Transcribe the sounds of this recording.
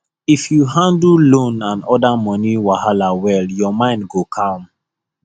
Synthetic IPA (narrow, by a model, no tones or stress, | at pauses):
ifjuɦãndllõnãnɔdamɔ̃niwahalawɛljɔmãɪ̃ndɡokʰɔ̃m